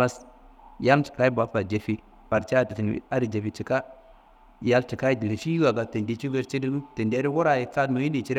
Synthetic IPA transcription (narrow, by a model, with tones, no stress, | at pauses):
a˦s | ja˦lt͡ʃi̥˨ka˦i˦ba˨˦fa˨d͡ʒe˨fi˦ | pa˨ɾt͡ʃa˦a˦˨ti˨ti˨n̰˨a˦ɾi˨d͡ʒe˨fi˨t͡ʃi˨ka˦ | ja˦lt͡ʃi˨ka˦i˦di˨li˨ʃi˦i˦wa˨ɡa˨te˨ndi˨t͡ʃi˦ve˦ɾt͡ʃi˦di˦te˨nde˦ɾi˦wo˦ɾa˨ji˨t͡sa˦dmo˨ji˦ni˨t͡ʃi˦ɾ